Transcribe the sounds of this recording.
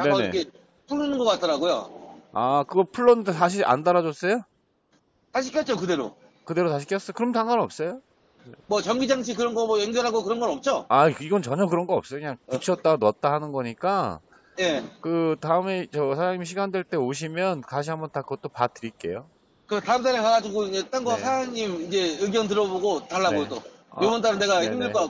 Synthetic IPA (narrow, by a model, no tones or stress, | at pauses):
nne̞ne̞̰ke | pʰuɭːonɯnɡʌk͈at̚t͈ʌɾaɡojo̰akɯɡʌpʰuɭːondosʰaɕ̬ʰiɾʔa̰ndaɾad͡ʑʌs͈ʌjo | taɕ̬ʰik͈ejʌt̚t͡ɕ͈okɯde̞ɾo̰ | kɯde̞ɾotaɕʰi̥k͈ejʌs͈ʌjokɯɾʌmtaŋɡanʌp̚s͈ʌjo | mʌt͡ɕʌŋɡid͡ʑaŋt͡ɕʰikɯɾʌnɡʌmʌjeŋd͡ʑʌɾɦaɡokɯɾʌnɡʌnʌp̚t͡ɕ͈oaiɡʌnt͡ɕʌɲʌkɯɾʌnɡʌʌp̚s͈ʌjokɯɲaŋkit͡ɕʰʌt͈̚anʌt̚t͈ahanɯnɡʌɲik͈a | je̞kɯtaɯme̞t͡ɕʌsʰaɾaɲimiɕʰiɡandweɭt͈e̞oɕ̬ʰimjʌnkaɕʰiɦambʌntakɯɡʌt͈opatɯɾik͈e̞̰jo | kɯtaɯmdaɾekaɡad͡ʑiɡoid͡ʑe̞t͈anɡʌsʰaɾaɲimid͡ʑe̞ɯɡjʌnt̬ɯɾʌboɡotaɭːaɡoso | jobʌndaɾɯne̞ɡahimiɭ͈ʌa